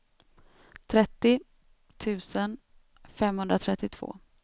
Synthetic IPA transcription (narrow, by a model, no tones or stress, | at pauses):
t̪ʰɾɛt̪ːɪ | t̪ʰʉ̟ːsən | fɛmhɵnd̪ɾat̪ʰɾɛt̪ːɪt̪ʰv̥o̰ː